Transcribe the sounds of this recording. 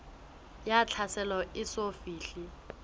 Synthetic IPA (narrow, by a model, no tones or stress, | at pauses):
jat͡ɬʰasɛlɔʔɪsofiːɬi